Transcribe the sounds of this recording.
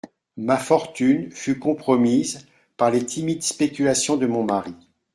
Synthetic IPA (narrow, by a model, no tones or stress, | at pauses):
mafɔʁt̪ynfykɔ̃pχɔmiz | paʁlet̪ʰimid̪spekʲylasjɔ̃d̪əmɔ̃maʁi